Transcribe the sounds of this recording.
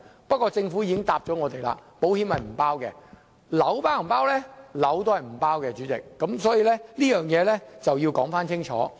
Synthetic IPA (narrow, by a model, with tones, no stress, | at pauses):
pɐ˥t̚kɔː˧t͡sɪ˧ŋfuː˨˥jiː˧kɪ˥ŋt̪aː˨p̚t͡sɔ˨˥ŋɔː˨˧t̪e˨jla̰˧po˨˥whiː˨˥phɐ˨jm̩˨˩paː˥wkɛː˧ | lɐ˨˥wpaː˥wm̩˨˩paː˥wlɛ˥lɐ˨˥wt̪o˥hɐ˨jm̩˨˩paː˥wkɛː˧t͡ʃyː˨˥t͡sɪ˨kːɐ˨˥msɔː˨˥jiː˧lɛ˥liː˥jœː˨ŋjɛː˨˧lɛ˥t͡sɐ˨wjiː˧wkɔː˨˥ŋfaː˥nt͡sʰɪ˥ŋt͡ʃʰɔ̰ː˨˥